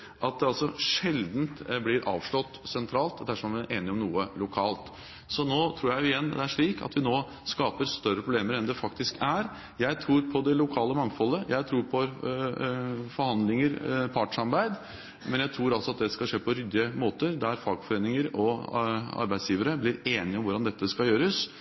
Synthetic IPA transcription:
ʔɑt̪̚d̪ɛɑlsɔʂɛld̪n̩t̪blɪɾʔɑ̰ːʋʂɭɔt̪ːsɛnt̪ʰɾɑːlt̪d̪æʂɔmæʔeːnɪɔmnuːəlʊkʰɑːlt̪ | sɔnoːt̪ʰɾuːɾjæɪɪjɛnd̪ɛæʂɭiːkʰɑ̰t̪ʋɪnoː | skɑːpəɾst̪œɾəpʰɾʊbleːməɾɛnd̪ɛfɑkt̪ɪskæɾ | jæɪt̪ʰɾuːɾpʰɔd̪ɛlʊkʰɑːləmɑŋfɔlːəjæɪt̪ʰɾuːɾpʰɔ | fɔɾhɑnd̪lɪŋəɾpʰɑʈʂɑɾbæɪd̪ | mɛnjæɪt̪ʰɾuːɾɑlsɔɑt̪̚d̪ɛskɑʂeːpʰɔɾʏd̪ɪəmoːt̪əɾd̪æɾfɑɡfɔɾeːnɪŋəɾɔ | ɑ̰ɾbæɪd̪sjiːʋəɾəblɪɾeːnɪɔmʋʊɾɖɑnd̪ɛt̪ːəskɑljøːɾəs

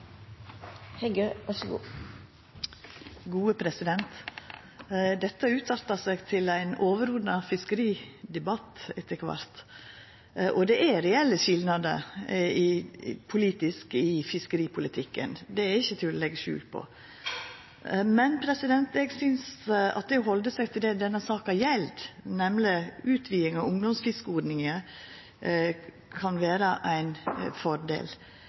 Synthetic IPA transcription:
hɛɡøːʋɑʂɔɡṵː | ɡuːəpʰɾɛsɪd̪ɛnt̪ | d̪ɛt̪ːəʉːt̪ʰɑt̪ɑsɛɡt̪ʰɪlæɪnoːʋəɾʊd̪nɑfɪskəɾiːd̪ɛbɑt̪ɛt̪ʰːəkʰʋɑ̰ɾt̪ | ʔɔd̪ɛʔæɾɛɛlːəʃɪlnɑd̪ə̰ɪpʰʊliːt̪ɪskɪfɪskəɾiːpʰʊlɪt̪ʰɪkːə̰nd̪ɛæɾɪçːət̪ʰɪlɔlɛɡːəʃʉ̰ːlt̪̚pʰɔ̰ | mɛnpʰɾɛsɪd̪ɛnt̪ɛɡsʏnsɑ̰t̪̚d̪ɛɔɦɔld̪əsɛɡt̪ʰɪld̪ɛd̪ɛnːəsɑːkɑjɛld̪nɛmlɪʉːt̪ʰʋiːɪŋɑʊŋd̪ɔmsfɪskəoːd̪nɪŋə | kʰɑnʋeːɾəʔæɪnfɔɾd̪ḛːl

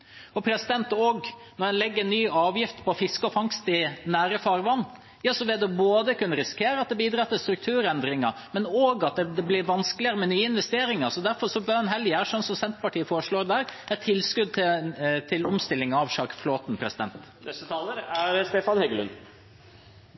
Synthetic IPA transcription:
ɔpʰɾɛsɪd̪ɛnt̪oːɡ | nɔɾhɛnlɛɡːəɾnːyːɑːʋjɪft̪pʰɔfɪskəɔfɑŋst̪ɪnæːɾəfɑɾʋɑnː | jɑːsɔʋɛd̪ɛboːd̪əkʉnːəɾɪskʰeːɾəɑt̪̚d̪ɛbiːd̪ɾɑt̪ːɪlst̪ɾʉk̚t̪ʰʉːɾɛnd̪ɾɪŋɑ | mɛnoːɡɑt̪̚d̪ɛd̪ɛblɪɾʋɑnsklɪəɾəmɛnyːəɪnʋɛst̪eːɾɪŋɑsɔd̪æɾfɔɾʂɔbønɦɛljɪæɾʂɔnsɔmsɛnt̪pɑʈʰiːəfoːɾəʂɭoːɾd̪æɾɛt̪ʰːɪlːskʉd̪̚t̪ʰɪt̪ʰɪlɔmst̪ɪlːɪŋɑʋʃɑːkfloːt̪npʰɾɛsɪd̪ɛ̰nt̪nɛst̪ət̪ʰɑːləɾæɾst̪eːfɑnhɛɡəlʉ̰n

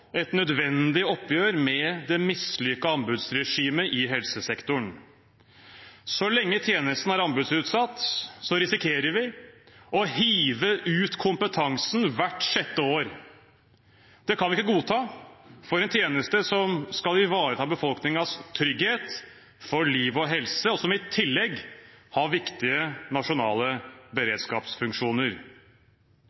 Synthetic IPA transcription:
ɛt̪nœd̪ʋɛnd̪ɪɔpːjøːɾmɛd̪ɛmɪslʏkːɑɑmbʉd̪sɾɛʂiːməʔɪɦɛlsəsɛkt̪ʊɳ | sɔlɛŋːət̪ʰjeːnəst̪n̩æɾɑmbʉd̪sʉːt̪sɑt̪ːsɔɾɪsɪkʰeːɾəɾʋɪ | ɔɦiːʋəʔʉːt̪kʰʊmpət̪ʰɑŋsn̩ʋæʈːʂɛt̪ːəoːɾ | d̪̥ɛkʰɑnʋɪɪkːəɡuːt̪ʰɑːfɔɾɛnt̪ʰjeːnəst̪əsɔmskɑlɪʋɑːɾət̪ʰɑːbəfɔlˠknɪŋɑst̪ʰɾʏɡheːt̪ | fɔɭiːʋɔɦɛlsəɔsɔmɪt̪ʰɪlːɛɡhɑɾʋɪkt̪ɪənɑʂʊnɑ̰ːləbəɾeːd̪skɑ̰ːpsfʉŋkʂuːnəɾ

